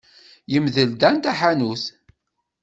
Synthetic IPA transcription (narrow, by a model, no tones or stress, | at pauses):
jəmðəld̪ænt̪æħanuθ